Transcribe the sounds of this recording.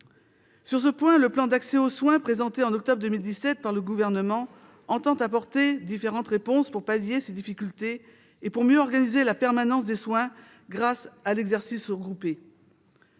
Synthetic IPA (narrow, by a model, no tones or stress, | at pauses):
syʁsəpwɛ̃ləplɑ̃d̪aksɛoswɛ̃pχezɑ̃t̪eɑ̃nɔk̚t̪ɔbʁd̪əmild̪isɛt̪̚paʁləɡuvɛʁnəmɑ̃ | ɑ̃t̪ɑ̃t̪apɔʁt̪ed̪ifeʁɑ̃t̪ʁepɔ̃spuʁpaljesed̪ifikʲylt̪eː | puʁmjøɔʁɡanizelapɛʁmanɑ̃sd̪eswɛ̃ | ɡʁasalɛɡzɛʁsisʁəɡʁupe